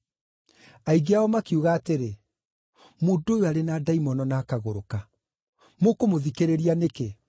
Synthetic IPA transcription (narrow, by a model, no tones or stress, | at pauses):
aiɡeaɔmakiuɣaːteɾe | moːdoːjoaɾenaːdaimɔnɔnaːkaɣoɾoka | mokomoðikeɾeɾianeke